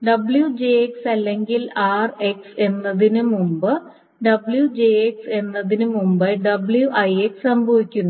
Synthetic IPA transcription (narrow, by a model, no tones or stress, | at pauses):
ɖɐbɭjud͡ʑeeksɐlːe̞ŋɡilaːre̞kse̞nːɐðinɨmumbɨ | ɖɐbɭjud͡ʑeekse̞nːɐðinɨmumbɐjɖɐbɭjuʔɐjekssɐmbʱɐʋikʲːunːu